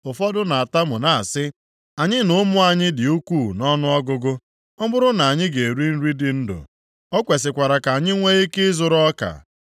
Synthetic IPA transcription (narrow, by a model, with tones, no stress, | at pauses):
ʊ˨fɔ˦dʊ˦na˨a˨ta˦mʊ˨na˨sɪ˦ | a˨ɲɪ˦nʊ˦mʊ˦a˨ɲɪ˦dɪ˨u˦kʷuː˦˨nɔ˦nʊ˦ɔ˦ɡʊ˦ɡʊ˦ | ɔ˦mʊ˦ɾʊ˦na˨a˨ɲɪ˦ɡe˨ɾi˦n̩˦ɾi˦dɪ˨n̩˦dʊ̰˨ | ɔ˦kʷe˨s̬ɪ˨kʷa˨ɾa˨ka˨a˨ɲɪ˦ŋʷe˦i˦kɪ˦zʊ˨ɾɔ˦ka̰˨